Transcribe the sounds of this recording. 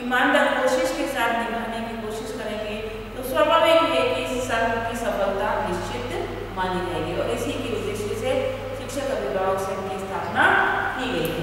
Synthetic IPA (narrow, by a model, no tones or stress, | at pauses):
ɪmaːnd̪aːɾkoːʃɪʃkesaːt̪ʰnɪməʈ̪nekikoːʃɪʃkɐɾneke | t̪oswabʱaːbekiekisːɐɾbkisɐ̃mbənd̪ʱaʋɪʃt͡ʃɪt̪ | maːned͡ʒaeɡiɔːɾɪsikeʊd̪ːeːʃise | ʃɪkʃəkɐɾeɡaɦosɐkniist̪ʰaːpnaɦiɦeɡi